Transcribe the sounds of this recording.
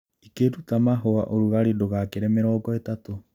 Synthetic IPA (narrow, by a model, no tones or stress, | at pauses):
ikeɾutamaɦoa̰ʔoɾuɣaɾidoɣakeɾɛmeɾɔːɡɔetato